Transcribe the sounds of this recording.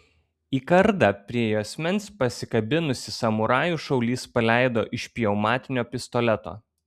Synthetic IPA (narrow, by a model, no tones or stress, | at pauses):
iːkɐɾd̪ɑpʲɾʲiɛjuːɐsʲmʲɛnʲspɐsʲɪkɐbʲɪnʊsʲɪsɐmʊɾɑːjuˑʃɒʊlʲiːspɐlʲæˑɪd̪oːʔɪʃʲpʲɪjɛʊmɑːt̪ʲɪnʲoːpʲɪst̪ɔlʲɛt̪o̰ː